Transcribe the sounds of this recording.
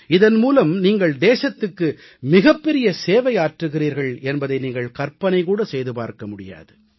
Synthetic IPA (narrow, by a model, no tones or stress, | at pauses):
ɪðɐnmuːlɐmniːŋɡɐɭd̪eːʂɐt̪ːɯkːɯ | mɪɣɐpːɛɾɪjɐseːʋɐjaːʈrɯɣɪriːɾɣɐɭɛnbɐðɐɪniːŋɡɐɭkɐɾpɐnɐɪkuːɽɐsɛjðɯpa̰ːɾkɐmʊɽɪja̰ːðɯ